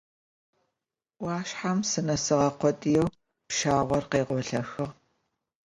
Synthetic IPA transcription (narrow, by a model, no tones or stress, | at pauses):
wɑːɕħamsɨnɐsɨʁɐqʷɔtʼjɛw | pʃaːʁʷɔrqeːʁʷɔɬɐxɨʁ